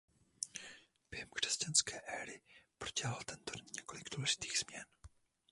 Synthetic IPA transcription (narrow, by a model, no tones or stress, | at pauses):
b̥jɛhɛmkr̥ɛscanskɛːʔɛːɾɪpɾoɟɛɦalt̪ɛnt̪odiɲɛko̞lɪɡduːlɛʒɪ̥t̪i̥ːɣz̥mɲɛn